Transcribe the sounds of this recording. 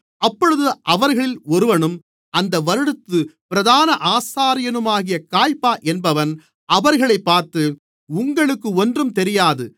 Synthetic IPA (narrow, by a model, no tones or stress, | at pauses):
ɐpːɔɻɯðɯʔɐʋɐɾɣɐɭɪlɔɾɯʋɐnɯm | ʔɐnd̪ɐʋɐɾɯɽɯt̪ːɯpɪɾɐðaːnɐʔaːsaːɾɪjɐnɯmaːɣɪjɐkaːjpːaːʔɛnbɐʋɐn | ɐʋɐɾɣɐɭɐɪpːaːɾt̪ɯ | ʊŋɡɐɭɯkːɯɔndrɯmt̪ɛɾɪjaːðɯ